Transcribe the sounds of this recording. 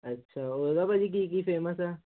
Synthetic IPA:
ɐtːʃʰaodabad͡ʒik̬ik̬ifeːməsɛ

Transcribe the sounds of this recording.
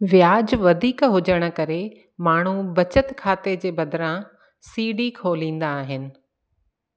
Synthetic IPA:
ʋɪjaːd͡ʑʋɐd̪ʱiːkɦʊd͡ʑəɽ̃ə̆kɐɾe | maːɳ̤ubɐt͡ɕət̪kʰaːt̪ed͡ʑeːbɐd̪ɾã | siːɖikʰoːlĩːn̆d̪aːɦɪnɪ̆

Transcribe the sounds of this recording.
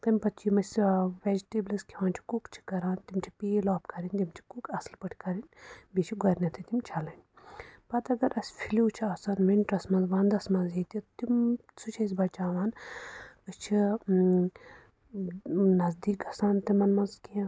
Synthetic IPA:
t̪ɐmʲpɐt̪t͡ʃimɐsʲʋed͡ʒʈebliskʰiʋãːnt͡ʃʰi̥kukt͡ʃʰi̥kɐɾaːnt̪imt͡ʃʰi̥pilɔːp̚kɐɾint̪imt͡ʃʰi̥kukɐslpɐʈʰikɐɾinʲbit͡ʃʰiɡɐɾnʲɐt̪ʰit̪imt͡ʃʰɐlɐnʲ | pɐt̪ɐɡɐɾʔɐsʲfʰiluːt͡ʃʰiɐːsaːnminʈɾɐsmɐnzʋãːnd̪ɐsmɐnzɦit̪it̪imsut͡ʃʰɐis̬ʲbɐt͡ʃaːʋaːn | ɨst͡ʃʰi | nɐzd̪iːkɐsaːnt̪imɐnmɐnzkiɐ̃

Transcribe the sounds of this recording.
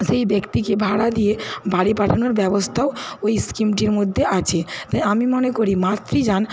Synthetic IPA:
ʃejbekt̪ikebʱaɽad̪ijebaɽipaʈʰanoɾbɛbost̪ʰaoojskimʈiɾmod̪ʱːeʔat͡ɕʰet̪ajamimonekoɾimat̪ːɾid͡ʑan

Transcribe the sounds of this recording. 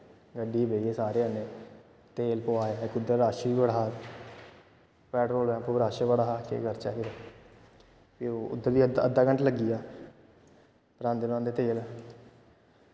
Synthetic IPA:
ɡəɖiːbeːieːsaːɾeːənẽː | t̪eːlpoaːeːkʊd̪əɾɾaːʃʋiːbəɽaː | pɛːʈɾoːlɛpoɾaːʃəʋəɽaakḛɡəɾt͡ʃaːɦiːɾaː | pioːʊ̰d̪ːəɾd̪iːəə̰d̪ːaːkəɳʈləɡiːaː | pəɾãːnd̪ɪnãːnd̪eːt̪eːlɛː

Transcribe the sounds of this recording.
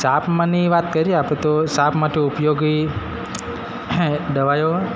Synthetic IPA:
sapmaniʋat̪kəɾiapet̪osapmaʈ̪eupjoɡij | d̪əʋajo

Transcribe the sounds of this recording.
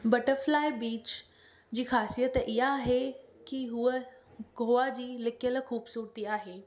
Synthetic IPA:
bɐʈəɾflaːɪbiːt͡ɕ | d͡ʑiːxaːsijət̪ʔɪɦaːɦekiɦuəɡʱoːad͡ʑiːlɪkijəlxuːbsuːɾt̪iaːɦeː

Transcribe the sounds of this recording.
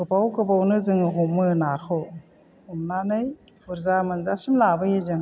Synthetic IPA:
kɯbawkɯbawnɯzɯŋɯɦumːɯnaxʰɯw | humnanɯj | pʰuɾzamɯnzasimlabɯjezɯŋ

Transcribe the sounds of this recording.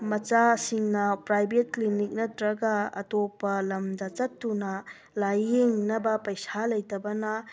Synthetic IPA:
mɐt͡ʃasiŋnɐpɾajbet̚klinik̚nɐtɾɐɡɐɐ̰topɐlɐmdɐt͡ʃɐtːunɐ | lajeŋnɐbɐpɐjsalɐjtɐbɐnɐ

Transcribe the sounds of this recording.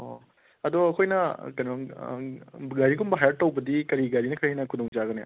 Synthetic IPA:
o | ɐd̪ɔɐkʰojnɐkɐnɔ | ɡaɾikumbɐɦajɐʈ̚ːɐwbɐd̪ikɐɾiɡaɾinɐkɐɾinɐkʰud̪ɔŋd͡ʒaɡɐnea

